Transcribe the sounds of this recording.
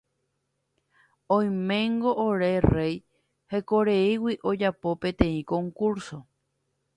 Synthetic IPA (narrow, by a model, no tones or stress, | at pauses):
õj̃mẽ̞ŋɡo̞ʔoɾerej | hekoɾeiwiʔod͡ʒapo̞pẽ̞t̪ẽ̞ĩkõ̞ŋkuɾso̞